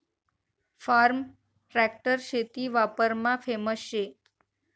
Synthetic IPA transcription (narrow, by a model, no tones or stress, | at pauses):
faɾm | ɾɛk̚ʈəɾʃet̪iʋapəɾmãfʰeməsʃe